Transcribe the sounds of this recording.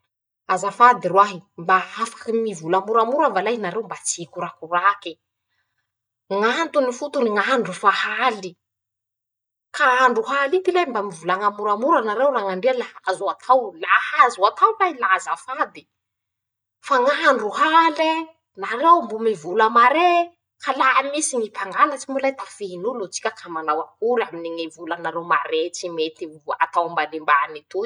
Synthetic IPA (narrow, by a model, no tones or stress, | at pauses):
azafad̪irwaɦimbaafḁkimivulamuɾamuɾambalajnaɾewmbat͡siikuɾakuraki | ŋant̪unifut̪uniŋaɳɖ͡ʐufahali | kaaɳɖ͡ʐuɦalit̪ilajmbamivulaŋamuɾamuɾanaɾewɾaŋaɳɖ͡ʐealahazuat̪ʰawlahazuat̪ʰawlajlazafad̪i | faŋaɳɖ͡ʐuɦale | naɾewmbumivuləmaɾe | kalaamisiŋipaŋɡalat͡simulajt̪ḁfiinulot͡si̥kʲəkʰamanawakuɾaminiŋivulanaɾewma̰ɾet͡simet̪ia̰t̪awmbalimbanit̪u